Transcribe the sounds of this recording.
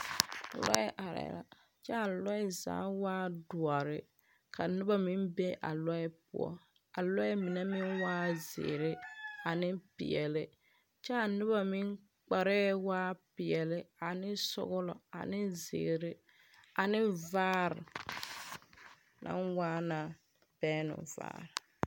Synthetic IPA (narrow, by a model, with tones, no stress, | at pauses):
lɔ̰˦ɪ˦ʔa˨ɾɛ̰˨la̰˨ | t͡ʃɛ˦a˨lɔ˦ɪ˦za̰ː˨˦waː˦dʊ˨ɔ˨ɾɪ˨ | ka˨nɪ˦ba˦mɪ˦nbe˦ʔa̰˨lɔ˦ɪ˦pʊ̰˦ɔ̰˦ | a˨lɔ˦ɪ˦mɪ˨nɛ˦mɪ˦nwaː˦zɪ̰˨ɾɪ˦a˨nɪ˦pɪ̰˨ɛ˨lɪ˦ | t͡ʃɛ˦a˨nɪ˦ba˦mi˦ŋ | k͡pa˨ɾɛ˦waː˦pɪ˨ɛ˨lɪ˦a˨nɪ˦sʊ̰˦ɣʊ˦lɔ˨a̰˨nɪ˦zɪ̰˨ɾɪ˦ | a˨nɪ˦vaː˦ɾɪ̰˨ | nʔa̰˦nwaː˦na˨ | b̥ɛː˦nʊ̰˨va̰ː˦ɾɪ˨